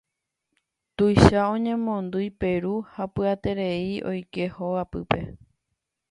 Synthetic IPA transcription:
t̪ujʃaõɲẽ̞mõ̞nd̪ujpe̞ɾuhapɨat̪e̞ɾe̞iʔo̞̰jke̞hoapɨpe̞̰

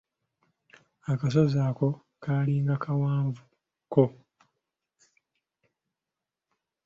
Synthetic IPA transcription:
akas̬ozaːko̞ | kʰaːliːŋɡakʰawaːɱvu | ko̞

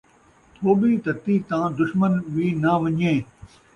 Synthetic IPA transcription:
t̪ʰoːɓiːt̪ɐt̪iːt̪ãːd̪ʊʃmənʋiːnaʋɐ̃ɲẽː

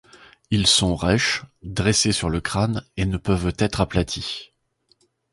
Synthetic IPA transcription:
ilsɔ̃ʁɛʃd̪ʁesesyʁləkχanenəpœvt̪ɛt̪χaplat̪ʰi

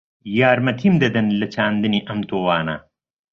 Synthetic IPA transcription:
jaːɾmɐt̪ʰimd̪ɐd̪ɐnlɐt͡ɕʰaːnd̪ɐniʔɐmt̪oːwaːna̰ː

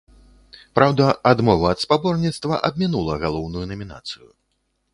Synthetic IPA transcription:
pɾawd̪ɐad̪mɔvɐɐt̪spabɔrnʲit̪st̪vɐʔɐb̚ʲmʲinulˠɐɣalˠɔwnujunɐmʲina̰t̪sɨju

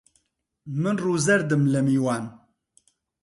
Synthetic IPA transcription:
mɨnruːzɛɾd̪ɨmlɨmiːwaːn

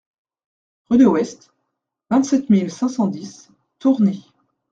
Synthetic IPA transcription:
ʁyd̪əwɛst̪ | vɛ̃t̪sɛt̪milsɛ̃sɑ̃d̪is | t̪uʁne

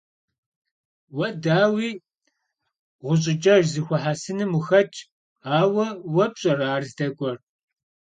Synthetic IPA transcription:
wɐdaːwiː | ʁʷʊɕ̬ʼɪt͡ʃʼɐʒzɨxʷɔħasɨnɨmʊxɐt͡ʃʼ | aːwɐwɐpɕʼɐraːrzdɐkʷʼɔr

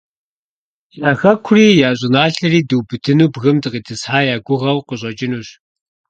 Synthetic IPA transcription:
jaːxɐkʷʰʊriːjaːɕ̬ʼɪnaːɬɐriːduwbɨtʰɨnuːbɣɨmdɨqidʰɨsħaːjaːɡʷʊʁɐwqəɕ̬ʼɐt͡ʃʼɪnuːɕ

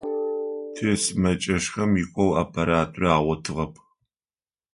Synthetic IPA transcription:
tʰeːsɨmɐt͡ʃʼɐʃxɐmjikʷʼɔwa̰pʰɐɾaːtʼraːʁʷɔtʰɨʁɐpʰ

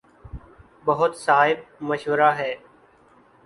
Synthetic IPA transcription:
bəɦʊt̪saːɦɪb̚məʃʋəɾaːɦɛː

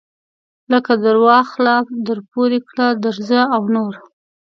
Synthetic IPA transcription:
ləkad̪əɾwɑxlɑfd̪əɾpoɾekɽad̪əɾzəawnoɾ

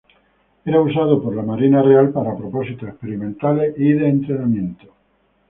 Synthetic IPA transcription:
eɾausað̞opoɾlamaɾinarealpaɾapɾopo̞sit̪oespeɾimẽnt̪aleʔiðeːnt̪ɾenamjẽ̞nt̪o̥

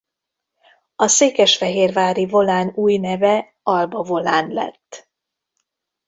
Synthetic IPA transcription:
ɒseːkɛʃfɛɦeːrvaːɾivo̞laːnuːjnɛvɛ | ɒlbɒvo̞laːnlɛ̰t̪ː

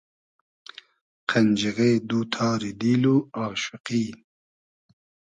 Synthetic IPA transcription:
qʰɐnd͡ʒiɣeːd̪uːt̪ʰɑːɾid̪iːluɑːʃɪqiː

